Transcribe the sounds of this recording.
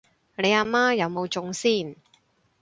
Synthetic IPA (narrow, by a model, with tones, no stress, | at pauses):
le˨˧jaː˧maː˥jɐ˨˧wmo˨˧wt͡sʊ˨˧ŋsiː˥˩n